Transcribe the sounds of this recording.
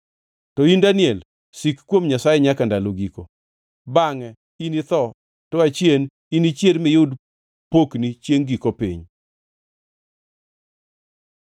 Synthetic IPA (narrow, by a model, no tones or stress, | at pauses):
tɔindanɪɛl | sikkːwomɲasajɛɲakandaloɡiko̰ | baŋɛ | init̪ɔ | tɔat͡ʃjen | init͡ʃjelmɪjud | poknit͡ʃjeŋɡikopḭɲ